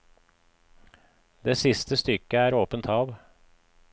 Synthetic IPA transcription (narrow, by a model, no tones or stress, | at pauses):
d̪eːsɪst̪ʰəst̪ʏkəæːɾoːpənt̪ʰɑːʋ